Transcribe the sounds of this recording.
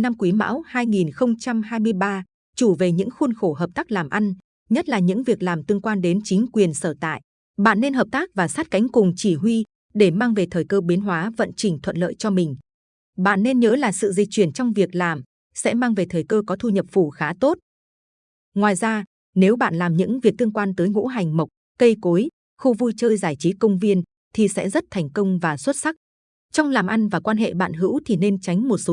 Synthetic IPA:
na˧mkwi˨˦ma̰ː˧˥whaː˧jŋi˨˩nxə˧wŋ͡mt͡ɕa˧mhaː˧jmɨ˧əjɓaː˧ | t͡ɕu˧˩ve˨˩ɲɨ̰˧˥ŋxu˧nxo˧˩hɦəː˨˩p̚t̪aː˦˥k̚laː˨˩mʔa˧jŋ̟ | ɲə˦˥t̚laː˨˩ɲɨ̰˧˥ŋvi˨˩ək̚laː˨˩mt̪ɨ˧əŋkwaː˧nɗe˨˦nt͡ɕï˨˦ŋ̟kwi˨˩ənsəː˧˩t̪a̰ː˧˨j | ɓa̰ː˧˨nːe˧nɦəː˨˩p̚t̪aː˦˥k̚vaː˨˩saː˦˥t̚ka˨˦jŋ̟kʊ˨˩ŋ͡mt͡ɕi˧˩ɦwi˧ | ɗe˧˩maː˧ŋve˨˩t̪ʰəː˨˩jkəː˧ɓi˨˦nɦwaː˨˦və̰˧˨nt͡ɕï˨˩ŋ̟t̪ʰwə̰˧˨nlə̰ː˧˨jt͡ɕɔ˧mï˨˩ŋ̟ | ɓa̰ː˧˨nːe˧nɲəː˨˦laː˨˩sɨ̰˧˨zï˨˩k̚t͡ɕwi˧˩ənt͡ɕɔ˧wŋ͡mvi˨˩ək̚laː˨˩m | sɛ̰˧˥maː˧ŋve˨˩t̪ʰəː˨˩jkəː˧kɔ˨˦t̪ʰu˧ɲə˨˩p̚fu˧˩xaː˨˦t̪o˦˥t̚ | ŋwaː˨˩jzaː˧ | ne˨˦wɓa̰ː˧˨nlaː˨˩mɲɨ̰˧˥ŋvi˨˩ək̚t̪ɨ˧əŋkwaː˧nt̪əː˨˦jŋṵ˧˥ɦa˨˩jŋ̟mə˨˩wk͡p̚ | kə˧jko˨˦j | xu˧vu˧jt͡ɕəː˧jzaː˧˩jt͡ɕi˨˦kə˧wŋ͡mvi˧ən | t̪ʰi˨˩sɛ̰˧˥zə˦˥t̚t̪ʰa˨˩jŋ̟kə˧wŋ͡mvaː˨˩swə˦˥t̚sa˦˥k̚ | t͡ɕɔ˧wŋ͡mlaː˨˩mʔa˧nvaː˨˩kwaː˧nɦḛ˧˨ɓa̰ː˧˨nɦɨ̰˧˥wt̪ʰi˨˩ne˧nt͡ɕa˨˦jŋ̟mo˨˩t̚so˨˦

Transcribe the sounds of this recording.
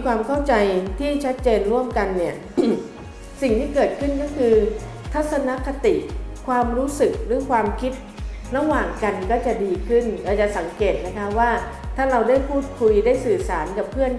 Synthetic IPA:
kʰwaː˧mkʰa˥˩wt͡ɕa˧jt̪ʰiː˥˩t͡ɕʰa˦˥t̪̚t͡ɕeː˧nɾu˥˩əmka˧nːi˥˩ɐ | si˨˩ŋt̪ʰiː˥˩kɤː˨˩t̪̚kʰɯ˥˩nkɔː˥˩kʰɯː˧ | t̪ʰa˦˥t̪̚sa˧na˦˥ka˧t̪i˨˩ʔkʰwaː˧mɾuː˦˥sɯ˨˩k̚ɾɯː˩˦kʰwaː˧mkʰi˦˥t̪̚ɾa˧˥waː˨˩ŋka˧nkɔː˥˩t͡ɕa˨˩diː˧kʰɯ˥˩nlɛː˧˩t͡ɕa˨˩sa˩˦ŋkeː˨˩t̪̚na˦˥kʰa˦˥waː˥˩ | t̪ʰaː˥˩ɾa˧wdaː˥˩jpʰuː˥˩t̪̚kʰu˧jdaː˥˩jsɯː˨˩saː˩˦nka˨˩pʰːɯ˥˩ən

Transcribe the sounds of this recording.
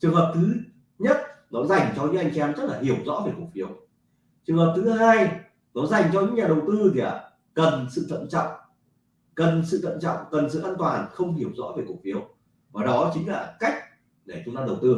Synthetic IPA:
t͡ɕɨ˨˩əŋhɦəː˨˩p̚t̪ʰɨ˨˦ | ɲə˦˥t̚nɔ˨˦za˨˩jŋ̟t͡ɕɔ˧ɲɨ̰˧˥ŋʔjŋ̟sɛ˧mzə˦˥t̚laː˨˩hi˧˩əwzɔ̰˧˥ve˨˩ku˨˩k̚fi˨˦əw | t͡ɕɨ˨˩əŋhɦəː˨˩p̚t̪ʰɨ˨˦ɦaː˧j | nɔ˨˦za˨˩jŋ̟t͡ɕɔ˧ɲɨ̰˧˥ŋɲaː˨˩ɗə˨˩wt̪ɨ˧t̪ʰi˨a˨˩ | kə˨˩nsɨ̰˧˨t̪ʰə̰˧˨nt͡ɕɔ̰˧˨wŋ͡m | kə˨˩nsɨ̰˧˨t̪ʰə̰˧˨nt͡ɕɔ̰˧˨wŋ͡mkə˨˩nsɨ̰˧˨ʔaː˧nt̪waː˨˩nxə˧wŋ͡mhi˧˩əwzɔ̰˧˥ve˨˩ku˨˩k̚fi˨˦əw | vaː˨˩ɗɔ˨˦t͡ɕï̟˨˦laː˨˩ka˦˥jk̟̚ | ɗe˧˩t͡ɕʊ˨˦ŋ͡mt̪aː˧ɗə˨˩wt̪ɨ˧

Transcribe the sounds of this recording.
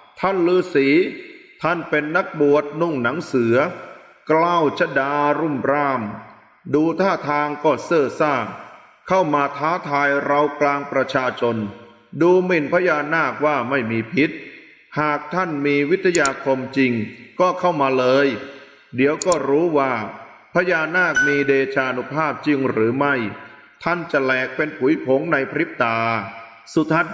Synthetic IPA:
t̪ʰa˥˩nlɯː˨˧˥siː˨˩˦t̪ʰa˥˩npe˧nːa˦˥k̚bu˨˩ət̪̚nu˥˩ŋna˩˦ŋsɯ˩˦ɐ | klaː˥˩wt͡ɕʰa˧˥daː˧ɾu˥˩mɾaː˥˩m | duː˧t̪ʰaː˥˩t̪ʰaː˧ŋkɔː˥˩sɤː˥˩saː˥˩ŋ | kʰa˥˩wmaː˧t̪ʰaː˦˥t̪ʰaː˧jɾa˧wklaː˧ŋpɾa˧t͡ɕʰaː˧t͡ɕʰo˧n | duː˧mi˧˨˩npʰa˦˥jaː˧naː˥˩k̚waː˥˩ma˥˩jmiː˧pʰi˦˥t̪̚ | haː˨˩k̚t̪ʰa˥˩nmiː˧wi˦˥t̪ʰːa˧jaː˧kʰo˧mt͡ɕi˧ŋkɔː˥˩kʰa˥˩wmaː˧lɤː˧j | di˨˩˦əwkɔː˥˩ɾuː˦˥waː˥˩ | pʰa˦˥jaː˧naː˥˩k̚miː˧deː˧t͡ɕʰaː˧ʔnu˦˥pʰaː˥˩p̚t͡ɕi˧ŋɾɯː˩˦ma˥˩j | t̪ʰa˥˩nt͡ɕa˨˩lɛː˨˩k̚pe˧npʰu˨˩˦jpʰo˨˩˦ŋna˧jpʰɾi˦˥p̚t̪aː˧ | su˨˩t̪ʰːa˦˥

